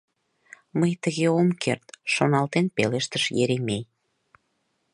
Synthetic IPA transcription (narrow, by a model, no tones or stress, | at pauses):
məjt̪əɣeomkḛrt̪ʃonɑlt̪enpeleʃt̪əʃjeɾemej